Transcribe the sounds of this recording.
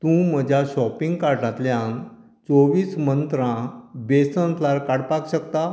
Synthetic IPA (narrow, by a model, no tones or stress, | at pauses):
t̪ũm̤əd͡ʑʱaɕɔpĩŋɡkaɾɳãt̪ljãn | t͡soʋiːsmənt̪ɾãbesə̃nt̪laɾkaɽpakɕəkt̪a